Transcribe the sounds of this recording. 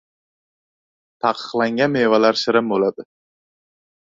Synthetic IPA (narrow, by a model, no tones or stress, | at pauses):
t̪ʰɑqʰɨ̥qlˠaŋɡʲanmevalaɾsɪɾɪmbolad̪ɪ